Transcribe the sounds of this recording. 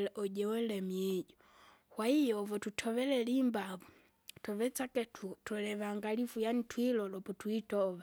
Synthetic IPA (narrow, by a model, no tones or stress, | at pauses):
lɛʔɔɟɛwɛlɛmɛɟɔ | hwaijɔvɔtutʰɔβɛlɛlimbavu | tɔβɛt͡sakɛtutɔlɛβaŋɡalifujanitwilɔlɔpɔtwitɔβa